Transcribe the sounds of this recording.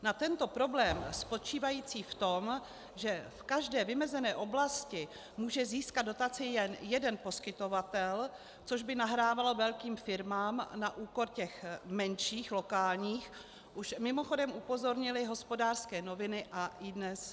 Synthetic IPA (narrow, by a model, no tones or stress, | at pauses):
nat̪ɛnt̪o̞pɾo̞blɛːmspo̞t͡ʃiːvajiːt͡siːft̪o̞m | ʒɛfkaʒdɛːvɪmɛzɛnɛːʔo̞blascɪ | muːʒɛziːskad̪do̞t̪at͡sɪjɛnjɛdɛnpo̞skɪt̪ovat̪ɛl | t͡so̞ʒbɪnaɦɾaːvalo̞vɛlkiːmfɪɾmaːmnaʔuːko̞ɾcɛxmɛnʃiːxlo̞kaːlɲiːx | ʔuʃmɪmo̞xo̞dɛmʔupo̞zoɾɲɪlɪɦo̞spo̞daːrskɛːno̞vɪnɪʔaɪdnɛs